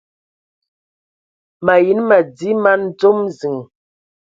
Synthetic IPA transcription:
ma˨ji˨˦nma˨d͡zi˦ma˦n˦d͡zo˦mzi˨ŋ˨

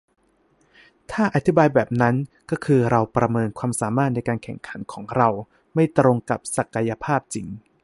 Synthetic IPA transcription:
t̪ʰaː˥˩ʔa˧t̪ʰi˦˥baː˧jbɛː˨˩p̚na˦˥nkɔː˥˩kʰɯː˧ɾa˧wpɾa˧mɤː˧nkʰwaː˧msaː˩˦maː˥˩t̪̚na˧jkaː˧nkʰɛ̰˨˩ŋkʰa˩˦nkʰɔː˩˦ŋɾa˧w | ma˥˩jt̪ɾo˧ŋka˨˩p̚sa˨˩ka˧ja˧pʰaː˥˩p̚t͡ɕi˧ŋ

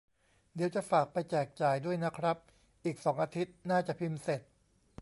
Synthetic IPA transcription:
diː˨˩˦wt͡ɕa˨˩faː˨˩k̚pa˧jt͡ɕɛː˨˩k̚t͡ɕaː˨˩jdu˥˩əjna˦˥kʰɾa˦˥p̚ | ʔiː˨˩k̚sɔː˩˦ŋʔaː˧t̪ʰi˦˥t̪̚naː˥˩t͡ɕa˨˩pʰi˧mse˨˩t̪̚

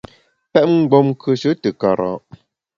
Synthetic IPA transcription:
pɛ˦ʔŋ̩˦˨ɡ͡bɔ˨m˦kʰə˨ʃə˦tə˨ka˨ɾɔ̰˨

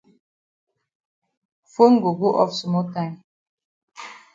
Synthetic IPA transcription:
fo˦ŋ̩˦ɡo˨ɡo˦ʔɔ̰˦fsmɔ˦lta˦ɪ˨m

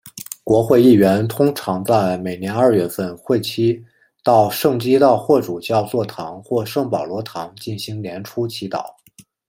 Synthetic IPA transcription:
kwɔ˧˥xwe˥˧ɪi˥˩ɥɛ˧˥nt̪ʰʊ˥ŋʈ͡ʂʰɑ˧˥ŋt͡sa˥˩ɪme˨˩ɪnjɛ˧˥nɐ˞˥˧ɥɛ˥˧fə˥˧nxwe˥˩ɪt͡ɕʰi˥ | t̪ɑ˥˧ʊʂɤ˥˩ŋt͡ɕi˥t̪ɑ˥˧ʊxwɔ˥˩ʈ͡ʂu˨˩t͡ɕjɑ˥˧ʊt͡swɔ˥˩t̪ʰɑ˧˥ŋxwɔ˥˧ʂɤ˥˩ŋpɑ˨˩ʊlwɔ˧˥t̪ʰɑ˧˥ŋt͡ɕi˥˩nɕi˧˥ŋljɛ˧˥nʈ͡ʂʰu˥t͡ɕʰi˧˥t̪ɑ̰˨˩˦

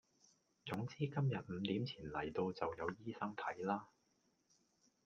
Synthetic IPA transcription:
t͡sʊ˨˥ŋt͡siː˥kɐ˥mjɐ˨t̚m̩˨˧t̪iː˨˥mt͡sʰiː˨˩nlɐ̰˨˩jt̪o˧wt͡sɐ˨wjɐ˨˧wjiː˥sɐ˥ŋt̪ʰɐ˨˥jlaː˥

